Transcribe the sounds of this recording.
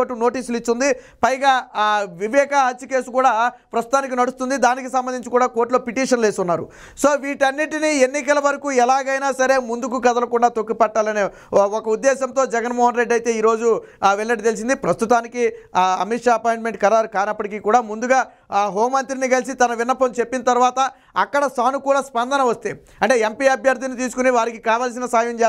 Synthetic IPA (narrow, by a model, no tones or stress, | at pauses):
oʈːuno̞ːʈiːsulit͡ʃːund̪i | pɐjɡaːʋiʋɛːkaɦɐt͡ʃːike̞ːsukuːɽaːpɾɐst̪ut̪aːnik̬inɐɽust̪und̪id̪aːnikisɐmbɐnd̪iɲt͡ʃikuːɽaːko̞ːɾʈlo̞ːpiʈiːʂɐnleːsunːaːɾṵ | soːʋiːʈɐnːiʈinienːikɐlɐʋɐɾɐkuːɛlaːɡɐjnaːsɐɾe̞ːmund̪ukukɐd̪ɐlɐkuɳɖaːt̪okːipɐʈːaːlɐneː | ɔkɐud̪ːɛːsɐnt̪o̞ːd͡ʒɛɡɐnmɔːɦɐnɾe̞ɖːɐjt̪e̞ːiːɾo̞ːd͡ʒuʋelnɐʈ̬it̪e̞lis̬ind̪ipɾɐst̪ut̪aːnikiɐmiʈʂaːɐpoːjɳʈme̞ɳʈ̚kɐɾaːɾkaːjnɐpːɐʈikiːkuːɽaːmund̪uɡaː | ɦoːmːɐnt̪ɾinikɐlis̬it̪ɐnɐʋinːɐpɐmt͡ʃepːinɐt̪ɐɾuʋaːt̪ɐ | ɐkːɐɽɐsaːnukuːɽɐspɐnd̪ɐnɐʋɐst̪e̞ː | ɐɳʈe̞ːempiɐbjɐɾd̪ʱinit̪iːs̬ukuniʋaːɾikikaːʋaːls̬inɐsaːjɐɲd͡ʒɛː